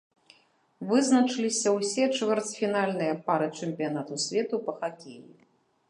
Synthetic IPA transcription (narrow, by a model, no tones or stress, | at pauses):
vɨznɐt͡ʂɨlʲisʲɐwsʲɛt͡ʂvʲɛrt̪t͡s̪ʲfʲinalʲnɨjɐpaɾɨt͡ʂɨmʲpʲijan̪at̪usʲvʲɛt̪upɐxakʲḛjḭ